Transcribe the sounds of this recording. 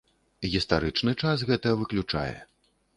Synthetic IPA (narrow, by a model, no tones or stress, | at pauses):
ɣʲist̪aɾɨt͡ʂnɨt͡ʂasɣɛt̪ɐɐvɨklʲut͡ʂa̰jɛ̰